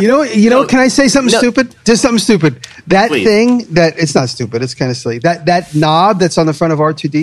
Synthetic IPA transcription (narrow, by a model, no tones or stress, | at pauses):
jɨnoʊjɨnoʊkʰɨ̃naɪseɪsʌ̃mθɪ̃ŋstʉpɨd̚d̥ʌz̥sʌ̃mθɪ̃ŋstʉpɨd̪̚ | ðɨt̪̚θɪ̃ŋðɨɾɨtsnətstʉpɨɾɨtskʰãɪ̃ndɨsliðɨt̪̚ðɨtⁿnɑb̚ðɨtsn̩ðəfɹʌ̃ɾ̃ʌvɑtʰɨdi